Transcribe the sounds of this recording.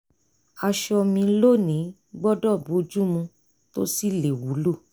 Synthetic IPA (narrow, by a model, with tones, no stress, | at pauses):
a˧ʃɔ˧mĩ˧lo˦˨nĩ˨˦ | ɡ͡bɔ˦dɔ˦˨bu˨˦˧d͡ʒu˦mũ˧ | to˦si˦˨le˨wu˨˦lu˦˨